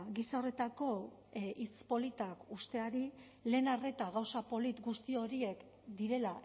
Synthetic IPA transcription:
ɣisao̞re̞t̪ako̞ | it͡spo̞lit̪akust̪e̞aɾi | le̞ːnare̞t̪aɣawsapo̞lit̪ɡust̪io̞ɾie̞k | d̪iɾe̞la

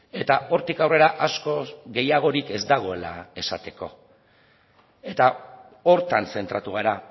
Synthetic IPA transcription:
e̞t̪aʔo̞ɾt̪ikawre̞ɾaʔasko̞ɣe̞jaɣ̞o̞ɾike̞zd̪aɣ̞o̞e̞la̰e̞sat̪e̞ko̞̰ | e̞t̪a | o̞ɾt̪anse̞nt̪ɾat̪uɣ̞aɾa

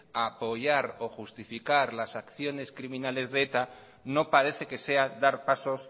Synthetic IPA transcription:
apo̞ʝaɾo̞xust̪ifikaɾlasakθjo̞ne̞skɾimĩnale̞zðeet̪a | no̞paɾe̞θe̞ke̞se̞ad̪aɾpaso̞s

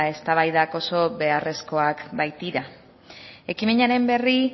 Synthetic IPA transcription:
e̞st̪aβ̞ajðako̞so̞βe̞are̞sko̞akbajt̪iɾa | e̞kime̞ɲaɾe̞mbe̞ri

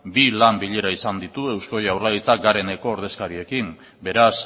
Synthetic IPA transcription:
bilambiʎeɾaisand̪it̪ue̞wsko̞jawrlaðit͡saɡaɾe̞ne̞ko̞ːɾð̞e̞skaɾie̞kim | be̞ɾas

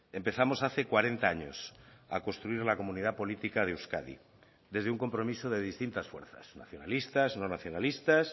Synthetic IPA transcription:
e̞mpe̞θamosaθe̞kwaɾe̞nt̪aaɲo̞̰sa̰ko̞nst̪ɾuiɾlako̞mũniðapo̞lit̪ikað̞euwska̰ðḭ | d̪e̞zðeuŋko̞mpɾo̞misoðe̞ð̞ist̪int̪asfweɾθa̰sna̰θjo̞nalist̪aznonaθjo̞nalist̪as

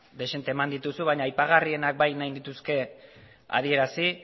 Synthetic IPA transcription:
d̪e̞ʃe̞nt̪e̞ːmand̪it̪usuβaɲaːjpaɣarie̞nak̚bajnajnd̪it̪uske̞ | a̰ð̞ie̞ɾasi

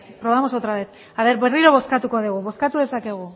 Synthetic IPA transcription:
pɾo̞βamo̞sot̪ɾaβet̪ | aβe̞ɾβe̞riɾo̞βo̞skat̪uko̞ðuɣ̞uβo̞skat̪uðe̞sake̞ɣ̞u

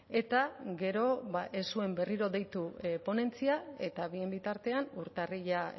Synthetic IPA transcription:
e̞t̪aɡe̞ɾo̞βaʔesue̞mbe̞riɾo̞ðe̞jt̪upo̞ne̞nt͡siae̞t̪aβie̞mbit̪aɾt̪e̞anuɾt̪ariʝa

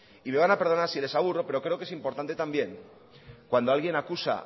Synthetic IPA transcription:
ime̞β̞anape̞ɾð̞o̞naɾsile̞saβ̞uro̞pe̞ɾo̞kɾe̞okee̞simpo̞ɾt̪ant̪e̞t̪ambje̞ŋ | kwand̪o̞alɣ̞je̞nakusa̰

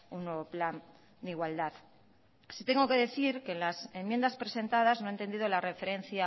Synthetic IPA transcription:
unːweβ̞o̞plan | d̪iɣwald̪að | sit̪eŋɡo̞ke̞ðe̞θiɾke̞ːnlase̞mjend̪aspɾe̞se̞nt̪aðaznoent̪e̞nd̪iðolare̞fe̞ɾe̞n̟θja

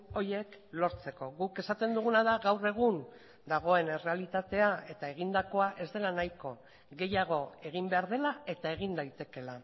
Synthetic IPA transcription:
o̞jeklo̞ɾt͡se̞ko̞ɣuke̞sat̪e̞nd̪uɣ̞unaðaɣawre̞ɣ̞un | d̪aɣ̞o̞e̞ne̞re̞alit̪at̪e̞ae̞t̪ae̞ɣ̞ind̪ako̞aʔe̞zd̪e̞lanajko̞ | ɣe̞jaɣ̞o̞e̞ɣimbe̞aɾð̞e̞lae̞t̪ae̞ɣind̪ajt̪e̞ke̞la

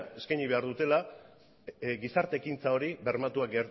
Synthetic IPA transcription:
e̞skajɲiβ̞e̞aɾðut̪e̞la | ɡisaɾt̪e̞ːkint͡sao̞ɾiβe̞ɾmat̪uakɡeɾ

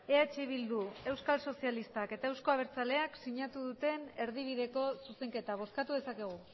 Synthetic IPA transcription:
e̞at͡ʃiβ̞ild̪ue̞wskalso̞sialist̪ake̞t̪ae̞wsko̞aβ̞e̞ɾt͡sale̞aksiɲat̪uðut̪e̞ne̞ɾð̞iβ̞iðe̞ko̞suse̞ŋke̞t̪aβ̞o̞skat̪uðe̞sake̞ɣ̞u

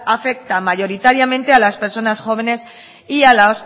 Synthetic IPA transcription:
afe̞k̚t̪amaʝo̞ɾit̪aɾjamẽ̞nt̪e̞alaspe̞ɾso̞nasxo̞β̞e̞ne̞s | ialaos

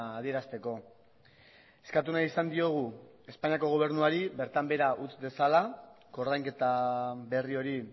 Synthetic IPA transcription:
ð̞ie̞ɾast̪e̞ko̞ | e̞skat̪unaisand̪io̞ɣ̞u | e̞spaɲiako̞ɣ̞o̞β̞e̞ɾnuaɾiβe̞ɾt̪ambe̞ɾaʔut͡sde̞sala | ko̞rðajŋke̞t̪aβe̞rio̞ɾi

